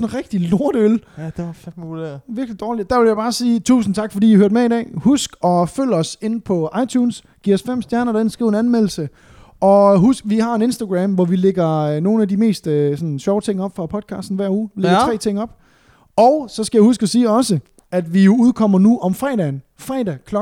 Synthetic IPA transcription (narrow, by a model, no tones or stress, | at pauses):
nʁɛɡ̥d̥ilo̝ɐ̰ɾ̥əøld̥e̥ | ʋiɐɡ̥lid̥ɒːlidd̥æɐʋe̝ljäɪbɑ̈ːsiːt͡sʰṵːsn̩t͡sʰɑ̈ɡ̥fɒdḭːihøɐd̥meidɛ̰ːhusɡ̥ɒ̽føl̰ɒ̽se̝npʰɒ̽ʔɑ̈ɪt͡ɕʰuːns | ɡ̥ḭːɐɒsfem̰sd̥jæɐnɐɾɑe̝nsɡ̥ʁḭʊenænmel̰l̩sə | ʔɒ̽ɦusɡ̥ʋihɑ̈e̝ne̝nsd̥æɡ̥ʁæmʋɒʋileɡ̥ɐno̝ːn̩æd̥ime̝̰ːsd̥øsɒ̽nɕɒʊt͡sʰe̝ŋ̰ɒ̽b̥fʁɑ̈pʰɒ̽d̥̚kʰɑ̈ːsd̥n̩ʋæɐ̰uːleɡ̥ɐt͡sʰʁɛ̰ːt͡sʰe̝ŋ̰ɒ̽b̥ | ɒʊsɒ̽sɡ̥æjɪhusɡ̥ɒ̽siːɒ̽sə | æd̥ʋijo̝uð̞ˠkʰɒ̽m̰ɐnuʔɒ̽mfʁɛ̰ːd̥æːn | fʁɛ̰ːdækʰlɒ